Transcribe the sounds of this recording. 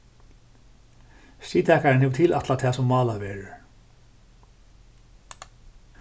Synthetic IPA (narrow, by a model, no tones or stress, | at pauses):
siːt̪ʰɛːkaɾɪnhɛvʏ̥t̪ʰilʔat̪lat̪ʰɛːsɔmːaːlavɛːɾʏ̥